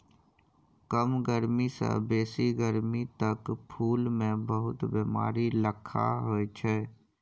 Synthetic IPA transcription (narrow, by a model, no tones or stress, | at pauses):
kəmɡəɾmisa̰beːsiɡəɾmit̪əkpʰuːlmẽbəɦʊt̪beːma̰ːɾiləkʰa̰ɦoːet͡ʃʰɛː